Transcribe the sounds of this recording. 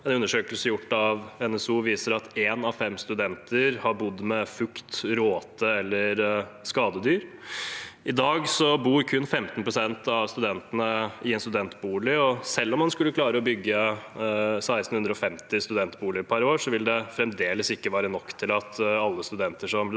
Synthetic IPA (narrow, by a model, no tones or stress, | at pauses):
ɛnʉnːəʂøːkəlsəjʊʈːɑʋɛnɛsuːʋiːsəɾɑt̪eːnɑʋfɛmːst̪ʉd̪ɛnt̪ʰəɾhɑɾbʊd̪ːmɛfʉkt̪ɾoːt̪əɛlːəɾskɑːd̪əd̪yːɾ | ɪd̪ɑːɡsɔbuːɾkʰʉnːfɛmt̪npʰɾʊsɛnt̪ʰɑʋst̪ʉd̪ɛnt̪ənəɪɛnst̪ʉd̪ɛnt̪buːlɪɔsɛlːɔmhɑnskʉlːəkʰlɑːɾəɔbʏɡːə | sæɪst̪n̩hʉnd̪ɾəɔfɛmt̪ɪst̪ʉd̪ɛnt̪buːlɪəɾpʰɑɾoːʂɔʋɪld̪ɛfɾɛmd̪eːləsɪkːəʋæːɾənɔkːt̪ʰɪlɑt̪ɑlːəst̪ʉd̪ɛnt̪əʂɔm